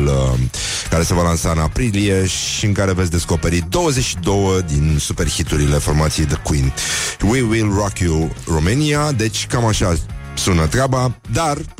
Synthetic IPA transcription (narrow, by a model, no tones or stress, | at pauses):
lə | kaɾe̞se̞valansaɨnapɾilije̞ʃiɨŋkaɾe̞vt̪sʲd̪e̞sko̞pe̞ɾid̪o̞wəzet͡ʃʃid̪o̞wəd̪insupe̞rxit̪uɾile̞fo̞rmat̪sije̞jd̪əkwinwiwilrakjuromeniad̪e̞t͡ʃʲkamaʃa | sunət̪ɾabad̪ar